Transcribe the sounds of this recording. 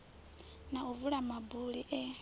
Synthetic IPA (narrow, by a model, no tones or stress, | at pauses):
nauvuɺamabuɺiʔɛ